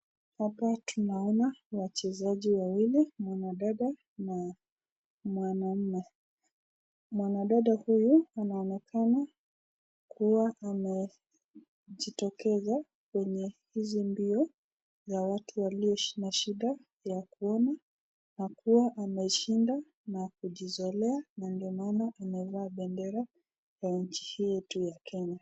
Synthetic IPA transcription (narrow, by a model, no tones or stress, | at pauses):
hapatʰunaɔnawat͡ʃɛzaʄiwawilimwanaɗaɗa | na | mwanam̩nɛ | mwanaɗaɗahujuanaɔnɛkʰana | kuwaʔamɛ | ʄitɔkɛza | kwɛɲɛhizimbiɔ | zawatʰuwaliɔʃi̥naʃiɗa | jakuɔna | nakuwaʔamɛʃinda | nakuʄizɔlɛanandiɔmaːnaʔamɛvaːɓɛndɛɾa | jaɲ̩t͡ʃi̥hijɔtujakʰɛɲa